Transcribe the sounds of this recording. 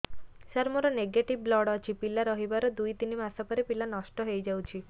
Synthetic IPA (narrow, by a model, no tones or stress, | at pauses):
saɾmoɾɔneɡeʈiblɔɽɔt͡ʃʰipilaɾɔɦibaɾɔd̪ujt̪inimasɔpɔɾepilanɔʃʈɔɦejd͡ʒawt͡ʃʰi